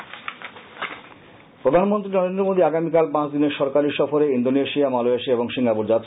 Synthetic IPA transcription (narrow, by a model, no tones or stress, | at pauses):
pɾod̪ʱanmont̪ɾinɔɾend̪ɾomod̪ʱiaɡamikalpãt͡ɕʰd̪ineɾʃɔɾkaɾiɾʃɔfoɾeind̪oneʃijamaloeʃieboŋʃiŋapuɾd͡ʑat̪